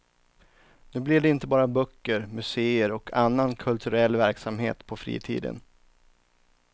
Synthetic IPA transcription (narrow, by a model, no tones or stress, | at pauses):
nʉ̟ːblɪd̪ɛɪnt̪əbɑːɾabœkːəɾmɵseːəɾɔkʰanːankʰɵlt̪ʰɵɾɛlːvæɾksamhḛːt̪pʰɔfɾḭːt̪ʰḭːd̪ə̰n